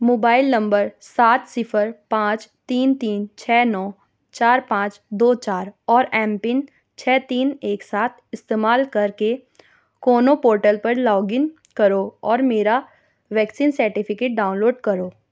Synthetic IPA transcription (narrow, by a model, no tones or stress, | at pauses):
moːbaːɪlnɐ̃mbəɾsaːt̪sɪfʰəɾpãːt͡ʃt̪iːnt̪iːnt͡ʃʰɛːnɔː | t͡ʃaːɾpãːt͡ʃd̪oːt͡ʃaːɾɔːɾɛ̃ːmpɪn | t͡ʃʰɛːt̪iːneːksaːt̪ʰɪst̪eːmaːlkɐɾke | koːnopoːɾʈəlpɐɾlɔːɡɪn | kɐɾoːɔːɾmeːɾa | ʋɛːksiːnsəɾʈɪpʰɪkeːʈ̚ɖaːʊnloːɖkɐɾoː